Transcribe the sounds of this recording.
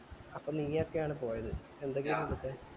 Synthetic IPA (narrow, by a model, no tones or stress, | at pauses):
ɐpːomniːɐokːejaːɳɨpo̞ːjɐðɨ | e̞nd̪eŋɡijmɐðut̪ːe